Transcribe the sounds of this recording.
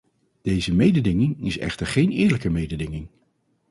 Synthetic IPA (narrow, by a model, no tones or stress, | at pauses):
d̥ejzəmejdədɪŋɪŋɪsɛ̰χtəɹχejnɪːɹləkəmejdədɪŋɪŋ